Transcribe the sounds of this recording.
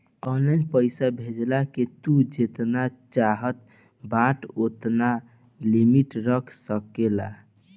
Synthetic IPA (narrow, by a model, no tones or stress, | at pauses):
ɔnlajnpəɪsabʱed͡ʒlaket̪ud͡ʒet̪nat͡ʃaɦət̪ | bãʈot̪na | limiʈɾəkʰsəkela̰